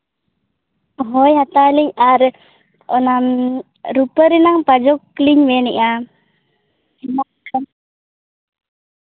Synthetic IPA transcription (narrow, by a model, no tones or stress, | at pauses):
ɦɔjɦat̪aliɲaɾ | ɔnam | ɾupəɾinaŋpad͡ʒɔkːliɲweniʔa | inakan